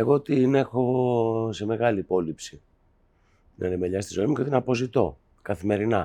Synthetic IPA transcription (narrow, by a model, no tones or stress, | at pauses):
e̞ɣo̞t̪ine̞xo̞se̞me̞ɣɐliːpo̞lipsi | nʔɐ̰nemeʎɐst̪izo̞imuce̞t̪inɐpo̞zit̪o̞ | kɐθime̞ɾinɐ